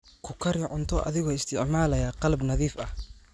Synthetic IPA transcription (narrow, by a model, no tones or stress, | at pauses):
kʰʊkʰɐɾɪʕʊnt̪ʰɔʔɐ̰ðɪɣɔːɪst̪ʰɪʕmaːlɐjaːqɑlbnɐðiːfɐh